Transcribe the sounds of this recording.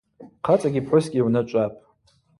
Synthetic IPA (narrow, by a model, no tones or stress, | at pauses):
qʰat͡sʼaɡʲipʰħʊsɡʲiwnɨt͡ʃʷʼapʼ